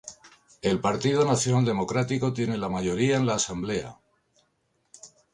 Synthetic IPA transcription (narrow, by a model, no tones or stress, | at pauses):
e̞lpaɾt̪ið̞unaθjonald̪e̞mo̞kɾat̪iko̞t̪je̞ne̞lamaʝo̞ɾiae̞nlaːsamble̞a̰